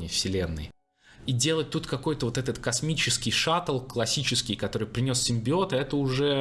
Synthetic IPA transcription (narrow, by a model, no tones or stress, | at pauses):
ɪjfsʲɪlʲe̞nːɨ̰j | idʲe̞lˠət̚ʲt̪ut̪kɐkojt̪əvo̞t̪ɛt̪ət̪kɐsmʲit͡ɕɪskʲɪjʂat̪əlˠklˠɐsʲit͡ɕɪskʲɪjkɐt̪o̞ɾɨjpɾʲɪnʲo̞sːʲɪmʲbʲɪo̞t̪ɐɛt̪əʊʐɛ